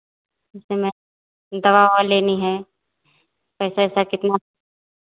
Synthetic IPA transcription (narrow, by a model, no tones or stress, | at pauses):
ɪsemɛ̃ | d̪ɐβaːwaleːniɦɛ | pɛːsaɛːsakɪt̪na